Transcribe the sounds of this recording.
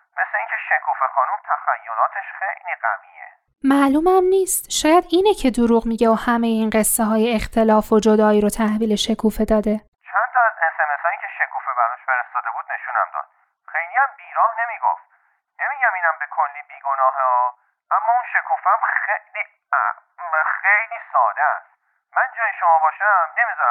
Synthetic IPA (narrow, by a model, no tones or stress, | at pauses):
me̞sleiːŋkʲʰeʃekʰuːfexɒːnumt̪ʰæxæjːolɒːt̪ʰeʃxḛjliːɢæ̰mḭːḛ | mæːluːmæmniːst̪ʃɒːjæd̪iːnecʰe̞d̪oɾuːɣmiːɟeohæmejeiːnɢe̞sːeɦɒːjeext̪ʰe̞lɒːfod͡ʒod̪ɒːiːɾot̪ʰæhviːle̞ʃe̞kʰuːfe̞d̪ɒːd̪e̞ | t͡ʃʰænt̪ʰɒæzesemesɒːnicʰe̞ʃe̞kʰuːfebæɾɔʃfeɾest̪ɒːd̪e̞buːd̪̥ne̞ʃuːnæ̰md̪ɒ̰ːd̪̥̚ | xejliæmbiːɾɒːhne̞miːɡo̰ft̪ | ne̞miːɟæmiːnæmbekʰolːiːbiːɡonɒːɦeɔ | ʔæmːɒːunʃe̞kʰuːfeæmxejlḭ | xejliːsɒːd̪eæ̰st̪ | mænd͡ʒɒːjeʃomɒːbɒːʃæmne̞mizɒɾæ